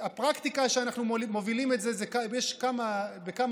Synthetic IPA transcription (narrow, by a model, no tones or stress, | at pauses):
apʁakt̪ikaʃeanaχnulimo̞vilimetzezekajeʃkamabekam